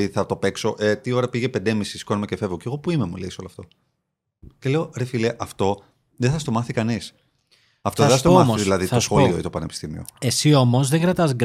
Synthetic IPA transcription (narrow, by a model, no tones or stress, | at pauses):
iθɐt̪o̞pe̞kso̞ʔet̪io̞ɾɐpiʝepend̪e̞misiskonmecefe̞vɣoceɣo̞puimemṵleso̞loɐft̪o̞ | cele̞o̞ɾefileʔɐft̪o̞ | ðeθɐst̪o̞mɐθikɐnis | ɐft̪oeɐst̪mɐiðilɐðiosxolioit̪opɐnepi̥st̪imḭo̰esio̞mozðeŋɡɾɐt̪ɐzɡ